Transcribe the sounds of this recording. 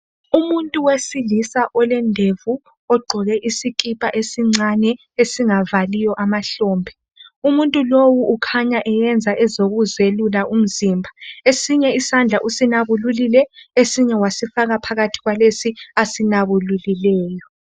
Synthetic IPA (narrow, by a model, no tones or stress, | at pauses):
umuntʼuwesilisaʔɔlɛndʱevu | ɔɡ͡ǃʱɔɣɛʔisikʼipʼaʔesiŋ͡ǀanɛ | esiŋavalijɔʔamaɬɔːmbʱɛ | umuntʼulowuʔːkʰaɲaʔɛjɛnd͡zʱaʔɛzoɣuzelulaʔum̩zimbʱaesiɲɛisand͡ɮʱaʔusinaβululilɛesiɲɛwasifaɣapʰaɣatʰiɣwalesiasinaβululilɛːjɔ